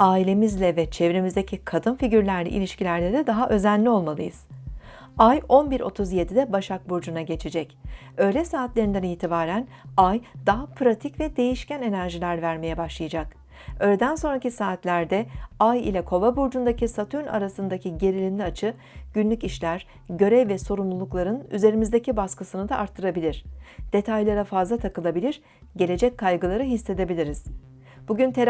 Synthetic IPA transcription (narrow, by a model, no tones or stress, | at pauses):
aːilʲe̞mizlʲɛvɛt͡ʃʰevɾemizd̪ecʰikʰad̪ɯnfiɟyɾlʲæɾlʲḭʔḭlʲiʃcilʲæɾlʲeɾid̪aɦaʔø̞zænʲlːʲio̞lˠmalˠɯjɯz̥ | ajo̞nbiɾʔo̞̰t̪ʰuzje̞d̪id̪ɛbaʃak̚buɾd͡ʒunaɟe̞t͡ʃʰed͡ʒɛc | ø̞ːlʲɛsaːt̪lʲe̞ɾind̪ænijt̪ʰibaːɾæn | ajd̪̥aɦapɾat̪ʰicvɛd̪e̞jiʃcʰæne̞næɾʒilʲæɾvæɾme̞jɛbaʃlˠɯjad͡ʒak | ø̞ːlʲed̪ænso̞nɾacisaːt̪lʲæɾd̪ɛajḭlʲɛkʰo̞vˠabuɾd͡ʒund̪acʰisat̪ʰyna̰ɾasɯnd̪acʰiɟe̞ɾilʲinʲiat͡ʃʰɯ | ɟ̥ynlʲyciʃlʲæɾ̥ | ɟø̞ɾɛvːɛso̞ɾumlˠulˠuklˠaɾɯny̰ze̞ɾimizd̪e̞cibaskɯsɯnɯd̪aʔaɾt̪ʰːɯɾabilʲiɾ̥d̪̥e̞t̪ʰajlˠaɾafazlˠat̪ʰakɯlˠabilʲiɾ | ɟe̞lʲe̞d͡ʒɛckʰːajɡɯlˠaɾɯɦisːe̞d̪e̞bilʲiɾiz̥ | b̥uɟynt̪ʰeɾ